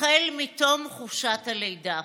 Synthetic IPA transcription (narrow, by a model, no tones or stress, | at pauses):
elmitomχuʃathalejda